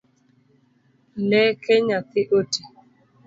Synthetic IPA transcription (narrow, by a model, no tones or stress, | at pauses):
nɛkeɲakɪʔote